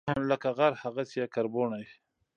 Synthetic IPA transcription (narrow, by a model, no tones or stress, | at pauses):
anlakaɣaɾhaɣat͡sijakaɾboɳaj